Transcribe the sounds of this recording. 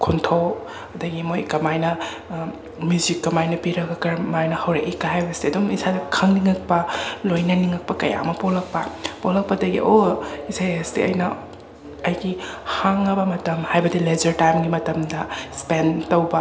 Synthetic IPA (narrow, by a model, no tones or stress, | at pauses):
kʰuntʰow | ɐdɐɡimojkɐmajnɐ | mjuzikːɐmajnɐpiɾɐɡɐkɐɾmajnɐhɐwɾɐʔikːahajbɐstiɐduŋisadɐkʰɐŋniŋɐk̚pɐlojnɐniŋɐk̚pɐkɐja̰mɐpolɐk̚pɐpolɐk̚pɐdɐɡḭʔoisajɐstḭɐ̰jnɐ | ɐjɡihaŋɐbɐmɐtɐmhajbɐdilezɐɾtajmɡimɐtɐmdɐspentɐwbɐ